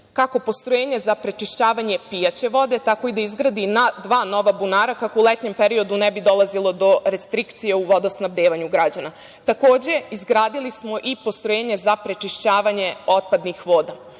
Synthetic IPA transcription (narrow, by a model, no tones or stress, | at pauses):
kako̞po̞st̪ɾojeːɲe̞zapɾet͡ʃiʃt͡ɕaːʋaɲe̞pijat͡ɕe̞ʋo̞d̪e̞t̪ako̞id̪aizɡɾad̪inad̪ʋaːno̞ʋabunaːɾakakoulet̪ɲe̞mpeɾio̞d̪unɛbid̪o̞lˠazilo̞d̪o̞ɾe̞st̪ɾikt̪sijeuʋo̞d̪osnabd̪eːʋaɲuɡɾad͡ʑana | t̪ako̞ːd͡ʑe̞izɡɾaːd̪ilismo̞ʔipo̞st̪ɾojeːɲe̞zapɾe̞t͡ʃiʃt͡ɕaːʋaɲe̞o̞t̪̚pad̪nixʋoːd̪a